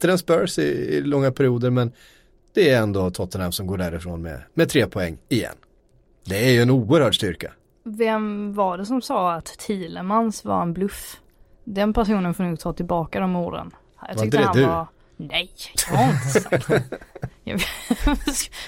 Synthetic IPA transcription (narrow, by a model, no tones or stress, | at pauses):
t̪ːəɾɛnsbœɾsɪɪ̰lɔŋːapʰæɾɪuːd̪əɾmɛn | d̪̥ɛːæɾɛnd̪ot̪ʰɔt̪ːənhamsɔmɡoːɖæːɾɪfɾo̰ːnmɛ̰mɛt̪ʰɾeːpʰɔɛŋːɪjɛ̰nː | d̪ɛæɾjɵɛnuːəɾhœːɖʂt̪ʏɾka̰ | vɛmvaɖɛsɔmsɑːat̪ʰːiːləmansva̰ɾɛnblɵf | d̪ɛnpʰæʂuːnənfɔːnuːɡ̚t̪ʰɑːt̪ʰɪlbɑːkad̪ɔmuːɾə̰n | jɑ̰ɪk̪t̪dɛhad̪ɵ | nɛj̪ | jɑ̰ː